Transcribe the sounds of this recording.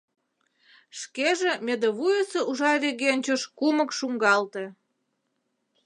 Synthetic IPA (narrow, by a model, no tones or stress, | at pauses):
ʃkeʒĕmʲed̪eβujeseuʒɑɾʲeɣenʲt͡ɕoʃkumə̆kʃuŋɡɑlt̪ĕ